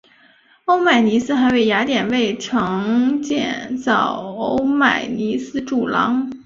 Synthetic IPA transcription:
o˥ʊma˨˩ɪni˧˥sɹ̩˥xa˧˥ɪwe˥˩ɪja˧˥t̪jɛ˨˩nwe˥˩ɪʈ͡ʂʰɤ˧˥ŋt͡ɕjɛ̰˥˧nt͡sɑ˥˩ʊo˥ʊma̰˨˩ɪni˧˥sɹ̩˥ʈ͡ʂu˨˩lɑ̰˧˥ŋ

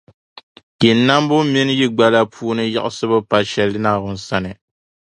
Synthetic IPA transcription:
kɛ˨nː˨a˦m˦bʊ˦mi˦n˦ji˦ɡ͡ba˦la˦pʰuː˦nɨ˦ja̰˦ʔsɨ˦bɨ˦pa˦ʃɛ˦lɨ˦naː˦˨bʊ˦n˨sa˦nɨ˨

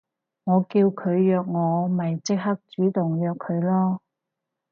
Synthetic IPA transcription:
ŋɔː˨˧kiː˧wkʰɵ˨˧ɥjœː˧k̚ŋɔː˨˧mɐ˨˩jt͡sɪ˥k̚hɐ˥k̚t͡ʃyː˨˥t̪ʊ˨ŋjœː˨kʰːɵ˨˧ɥlɔː˥

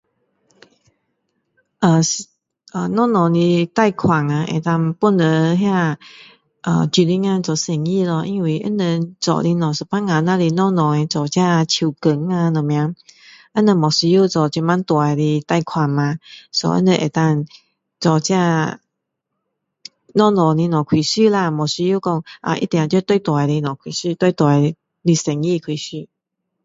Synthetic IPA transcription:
ʔə˨˩s | ʔə˨nɔ̃˥˨nɔ̃˨li˧t̪a˥˨jkʰwa˨˩ŋa˧ʔḛ˨˩t̪a˧ŋpu˧˨nə˧˦ɦjã˥˧˨ | ʔə̰˧˨t͡ɕi˧˩li˧˦ŋa˧t͡sɔ˨se˨˩ŋi˧˨lɔ˧˩ʔi˧nwi˧˩ʔə̰˧˥˨nə˧t͡sɔ̰˨li˧nɔ̃˨˩sə˨˩pʰa˦˥ŋa˧˨nã˧li˧nɔ̃˥˧˨nɔ̃˨e˧t͡sɔ˨t͡ɕja˥˧t͡ɕʰi˧wkə˧˦ŋa˧nɔ̃˨˩mj̃ã˧˦ | ə˦nə˧mɔ˨˩si˧ju˦˨t͡sɔ˨t͡ɕi˧ma˧˦nt̪wa˨˩˨li˧t̪a˥˧jkʰwa˧nmã˧sɔ̰˧˦ʔə̰˧nə̃˧ʔe˨˩t̪a˥˧ŋ | t͡sɔ˨˩t͡ɕja˥˧ | nɔ̃˥˧nɔ̃˨li˧nɔ̃˨˩kʰwi˨˩ɕy˥˧la˧mɔ˨˩si˧ju˥˧kɔ˥˧ŋʔa̰˧ʔḭ˦t̪jã˨t͡ɕjo˥˧t̪we˥˧˨t̪wa˨˩jli˧nɔ̃˨˩kʰwi˨˩ɕy˥˧˨t̪we˥˧t̪wa˨˩j | li˧sɛ˨˩ŋi˥˧˨kʰwi˨˩ɕy˥˧˨

